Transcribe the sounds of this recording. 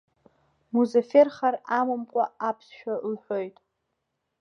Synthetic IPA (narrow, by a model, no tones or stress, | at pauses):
muzaferχaramɨmkʷʼaapʰsʃᶣalħʷᶣo̞jtʼ